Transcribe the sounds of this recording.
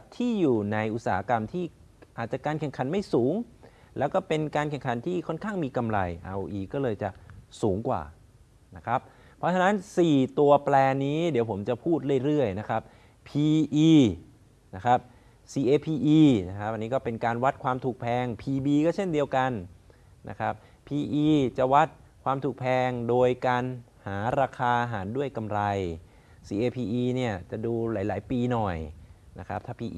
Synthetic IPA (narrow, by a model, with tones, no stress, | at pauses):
t̪ʰiː˥˩juː˨˩na˧jʔu˨˩t̪̚saː˨˩˦a˦˥ka˧mt̪ʰiː˥˩ | ʔaː˨˩t̪̚t͡ɕa˨˩kaː˧nkʰɛ˨˩ŋkʰa˩˦nma˥˩jsuː˩˦ŋ | lɛː˦˥wkɔː˥˩pe˧nkaː˧nkʰɛ˨˩ŋkʰa˩˦nt̪ʰiː˥˩kʰɔ˥˩nkʰaː˥˩ŋmiː˧ka˧mɾa˧jʔa̰˧wʔiː˧˩kɔː˥˩lɤː˧jt͡ɕa˨˩ʔsuː˩˦ŋkwa̰ː˨˩ | na˦˥kʰɾa˦˥p̚ | pʰːɔ˦˥t͡ɕʰa˧na˦˥nsiː˨˩t̪u˧ɐplɛː˧niː˦˥di˨˩˦wpʰo˩˦mt͡ɕa˨˩pʰuː˥˩t̪̚ɾɯ˥˩əjɾɯ˥˩əjna˦˥kʰɾa˦˥p̚ | pʰiː˧ʔiː˧ | na˦˥kʰɾa˦˥p̚ | siː˧ʔeː˧pʰiː˧ʔiː˧na˦˥kʰa˦˥p̚ʔa˧niː˦kɔː˥˩pe˧nkaː˧nwa˦˥t̪̚kʰwaː˧mt̪ʰuː˨˩k̚pʰɛː˧ŋpʰiː˧biː˧kɔː˥˩t͡ɕʰe˥˩ndi˧əwka˧n | na̰˦˥kʰɾa˦˥p̚ | pʰiː˧ʔiː˧t͡ɕa˨˩wa˦˥t̪̚ | kʰwaː˧mt̪ʰuː˨˩k̚pʰɛː˧ŋdoː˧jkaː˧n | haː˩˦ɾaː˧kʰaː˧a˧ɦaː˩˦ndu˥˩əjka˧mɾa˧j | siː˧˩ʔeː˧pʰiː˧ʔiː˧ni˥˩ɐt͡ɕa˨˩duː˧laː˩˦jlaː˩˦jpiː˧nɔ˨˩jna˦˥kʰa˦˥p̚t̪ʰaː˥˩pʰiː˧ʔ